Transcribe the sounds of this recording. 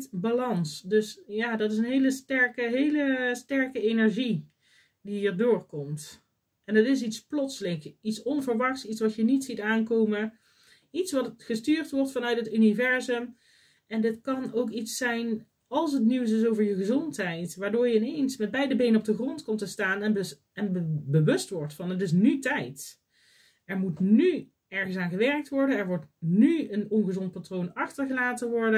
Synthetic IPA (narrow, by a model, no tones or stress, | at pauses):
balɑnsdɵsjaːdɑtɪsənɦejləstɛɹkəɦejləstɛɹkəejnɛɹʒi | diɦiːɹdʊːɹkɔmt | ɛndɑtɪs̬itsplɔtsəlɪŋkitsɔnvəɹʋɑxsitsʋɑtjənitsitaːnkowmə | itsʋɑtχəstyːɹtʋɔɹtfɑnœɥtɦətynivɛɹzəm | ɛndɪtkɑnowkitsɛjn | ɑlˠsɦət̬niws̬ɪs̬owvəɹjəχəzɔntɦɛjtʋaːɹdʊːɹjəɪnejnsmɛd̚bɛjdəbejnəɔb̚dəχrɔntkɔmtəstaːnɛb | ɛnbəʋɵstʋɔɹtfɑnətɪs̬nytɛjt | ɛɹmutny | ɛɹχənsaːnχəʋɛɹk̚tʋɔɹdənɛɹʋɔɹtnyənɔnχəzɔnt̚patrownɑχtəɹɣəlaːtənʋɔɹdə